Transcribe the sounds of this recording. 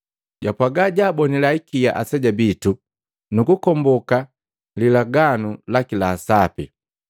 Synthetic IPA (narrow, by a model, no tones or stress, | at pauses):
ɟapwaɡaɟaːbɔnilaikija̰ʔasɛɟabitu | nukukɔmbɔka | lilaɡanulakilaːsapḭ